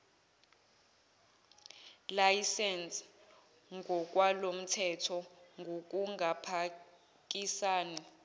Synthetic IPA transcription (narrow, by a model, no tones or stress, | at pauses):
lajsɛns | ŋɡʱɔk̬ʼwalom̩tʰɛtʰɔŋɡʱok̬ʼuŋɡʱapʰa | k̬ʼisaːni